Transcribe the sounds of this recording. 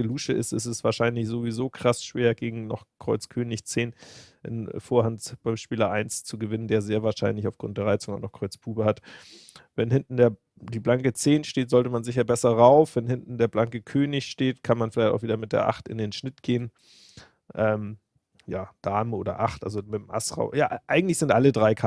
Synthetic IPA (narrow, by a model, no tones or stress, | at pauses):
əluːʃəʔɪ̰sɪsɛsv̥aːɐʃaɪnlɪçz̥ovizoːkʰʁ̥asʃv̥eːɐɡeːɡŋ̩nɔ̰χkʁ̥ɔʏt͡skʰøːnɪçt͡seːnʔɪ̰nfoːɐhantb̥aɪmʃpiːlɐʔaɪnst͡suɡəvɪnəndeːɐzeːɐvaːɐʃaɪnlɪçaʊfɡ̥ʁʊntdeːʁaɪt͡sʊŋaʊxnɔχkʰʁ̥ɔʏt͡spʰuːbəhat | vɛnhɪntn̩deːɐ | d̥iːblaŋkət͡seːnʃteːtz̥ɔltəmanzɪçɐbɛsɐʁaʊfv̥ɛnhɪntn̩deːɐblaŋkəkʰøːnɪçʃteːtkʰanmanfɪlaɪçtaʊviːdɐmɪt̚d̥ḛːɐʔa̰χtɪ̰ndeːnʃnɪtɡ̥eːən | ʔɛːm | jaːd̥aːmʔoːdɐ̰ʔa̰χtʔa̰lzomɪtmʔa̰sʁa̰ʊja̰ːʔaɪɡŋ̩tlɪçz̥ɪntʔalədʁaɪkʰa